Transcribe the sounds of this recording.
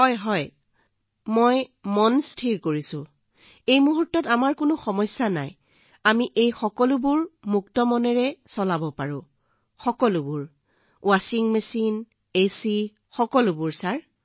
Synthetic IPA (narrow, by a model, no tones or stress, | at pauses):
ɦɔjɦɔj | mojmɔnstʰiɹkoɹisʊ̃ | ejmuɦutːɔtamaɹkʊnʊxɔmɔsːana̰j | amiʔejxɔkɔlʊbʊɹmuktɔmɔnɛɹɛsɔlabɔpaɹʊ̃ | xɔkɔlʊbʊɹ | wasiŋmesin | esi | xɔkɔlʊbʊɹsaɹ